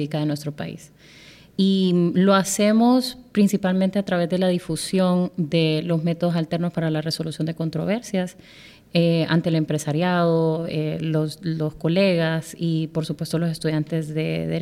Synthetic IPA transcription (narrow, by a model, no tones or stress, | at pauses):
ikaðenwe̞s̬t̪ɾopa̰ḭs | ilo̞ase̞mo̞spɾinsipalmẽnt̪e̞at̪ɾaβ̞e̞zd̪e̞lað̞ifusjo̞nd̪e̞lo̞zme̞t̪o̞ðo̞s̬alt̪e̞ɾno̞spaɾalare̞so̞lusjo̞nd̪e̞ko̞nt̪ɾo̞β̞e̞ɾsjas | ea̰nt̪ele̞mpɾe̞saɾjaðoeloslo̞sko̞le̞ɣasipo̞ɾsupwe̞st̪olo̞se̞st̪uðjant̪e̞zðe̞ðeɾ